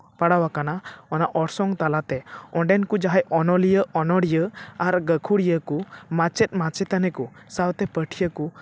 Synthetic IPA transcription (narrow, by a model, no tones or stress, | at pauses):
paɽawakanaɔnaʔɔɽsɔŋt̪alat̪ɛɔɳɖɛnkud͡ʒaɦɛʔɔnɔlijəɔnɔɽijəaɾɡəkʰuɽijəkumat͡ʃɛt̪̚ˀmat͡ʃɛt̪anɛku | sawt̪ɛpəʈʰijəku